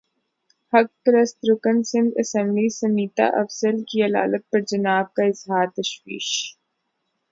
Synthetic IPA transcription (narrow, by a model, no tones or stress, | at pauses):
hɐk̚ːɾəst̪ɾʊkənsɪ̃nd̪ɐsɛ̃mblisɐmiːt̪a̰ʔɐfsəlkiɐla̰ːlət̪̚pɐɾd͡ʒɐnaːb̚kaɪzɦaːɾt̪ɐʃwḭːʃ